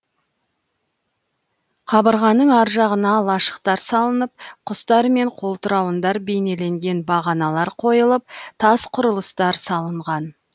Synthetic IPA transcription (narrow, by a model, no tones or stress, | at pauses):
qʰɑbəɾʁɑnəɴɑɾʒɑʁənɑlˠɑʃə̥qt̪ɑɾsɑlˠənəp̚qʰʊst̪ɑɾme̞ɴqʰo̞lˠt̪əɾɑwənd̪ɑɾbe̞jne̞le̞ŋɡʲe̞nbɑʁɑnɑlˠɑɾqʰo̞jəlˠəp̚t̪ʰɑsqʰʊɾəlˠəst̪ɑɾsɑlˠəɴʁɑn